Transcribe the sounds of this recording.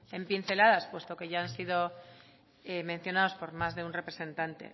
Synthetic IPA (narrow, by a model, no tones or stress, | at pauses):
e̞mpinθe̞laðaspwe̞st̪o̞ke̞ʝaansiðo̞ | emẽn̟θjo̞nao̞spo̞ɾmazðe̞unre̞pɾe̞se̞nt̪ant̪ḛ